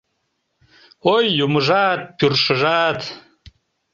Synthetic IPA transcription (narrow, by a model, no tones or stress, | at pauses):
ojːumɨʒaːt̪̚pʰyrʂɨʒaːt̪ʰ